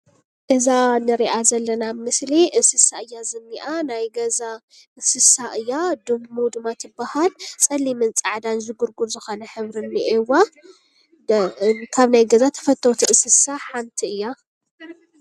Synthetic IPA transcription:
ɡɨzanɨɾiʔazɐlːɐnamɨsliʔɨsɨsaʔɨjːazɨnːiʔanajɡɐza | ʔɨsɨsaʔɨjːad̪ɨmud̪ɨmːat̪ʰɨbːahalsʼɐlːimɨnt͡sʼaʕd̪anzɨɡuɾɡuɾzɨxo̞nɐħɨβɾɨnːiʔewa | kʰaβnajɡɐzat̪ʰɐ̥fɐt̪ʰːot̪ʰiʔɨsɨsaħant̪ʰiɨjːa

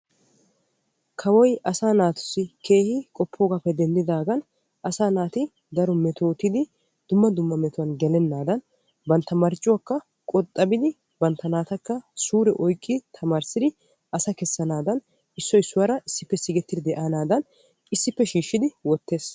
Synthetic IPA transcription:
kʰɐwɔjʔɐsaːnaːt̪ʊ̥sːɪkʰe̞ːhɪkʼɔpʰːoːɡapːɛd̪ɛnd̪ɪd̪aːɡɐn | ʔɐsaːnaːt̪ɪ | d̪ɐɾɔmɛt̪oːt̪ːɪd̪ɪ | d̪̥ʊmːɐd̪ʊmːɐmɛt̪ʊwɐnɡɛlɛnːaːd̪ɐn | bɐnt̪ːɐmɐɾt͡ʃʼːʊwɐkːɐ | kʼɔt̪ʼːɐbɪd̪ɪ | bɐnt̪ːɐnaːt̪ɐkːɐsuːɾɛʔɔjkʼːɪt̪ʰɐmaːɾsɪd̪ɪ | ɐsɐkɛsːɐnaːd̪ɐn | ɪsːɔɪsːʊwɐɾɐʔɪsːɪpːɛsɪɡɛt̪ːɪd̪ɪd̪ɛʔaːnaːd̪ɐn | ɪsːɪpːɛʃiːʃːɪd̪ɪwɔt̪ːe̞ːs

